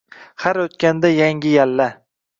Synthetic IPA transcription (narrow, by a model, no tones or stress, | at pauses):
haɾot̪kʲand̪ajaŋɡʲɪjalːa